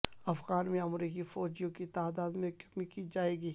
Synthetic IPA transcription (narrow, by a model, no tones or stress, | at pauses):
ɐfɣaːnmẽɐmɾiːkifɔːd͡ʒijõkit̪aːd̪aːd̪mẽkmikid͡ʒaːeːɡiː